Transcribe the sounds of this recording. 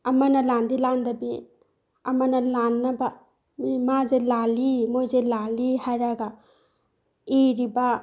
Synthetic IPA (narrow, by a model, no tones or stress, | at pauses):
ɐmɐnɐlandilandɐbi | ɐmɐnɐlanːɐba | mimazelalimojzelalihajɾaɡa | iɾiba